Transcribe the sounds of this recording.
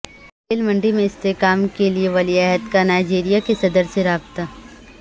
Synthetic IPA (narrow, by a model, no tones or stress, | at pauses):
eːlmɐ̃ɳɖimẽɪst̪ekaːmkelieʋɐliɛɦəd̪kanaːɪd͡ʒiːɾijakesɐd̪əɾseɾaːbt̪aː